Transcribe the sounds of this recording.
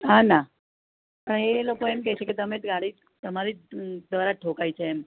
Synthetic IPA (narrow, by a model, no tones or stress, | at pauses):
ɦana | pəɳelokoemkɛjt͡ʃeket̪əmet̪ɡaɽiː | t̪əmaɾiːd̪ʋəɾaʈʰokajt͡ʃʰeːm